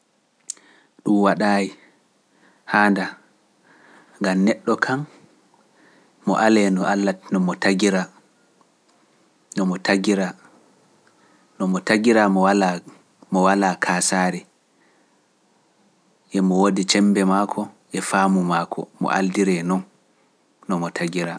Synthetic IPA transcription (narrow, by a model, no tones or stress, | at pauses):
ɗumwaɗaji | haːnda | ŋɡamnɛɗːɔkʰan | mɔ̰ʔalɛnɔʔalːatnɔmɔtaɡiɾa | nɔmɔtʰaɡiɾa | nɔmɔtaɡiɾamɔwala | mɔwalakʰasaːɾɛ | ʔɛmɔwodit͡ʃɛmbɛmaːkʰɔ | ʔɛfaːmumaːkʰɔ̰mɔ̰ʔa̰ldiɾɛnɔnː | ɔmɔtʰaɡiɾa